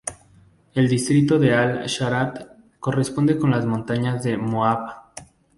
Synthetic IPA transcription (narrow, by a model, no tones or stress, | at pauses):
e̞ld̪ist̪ɾit̪o̞ðe̞alʃaɾat̪ | ko̞re̞spond̪e̞ko̞nlazmõnt̪aɲazðe̞moaβa